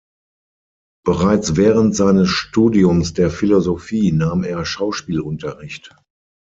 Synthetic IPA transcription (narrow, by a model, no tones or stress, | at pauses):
b̥əʁaɪt͡svɛːʁəntz̥aɪnəsʃtuːdiʊmsd̥eːɐfilozofiːnaːmeːɐʃaʊʃpiːlʔʊntɐʁɪçt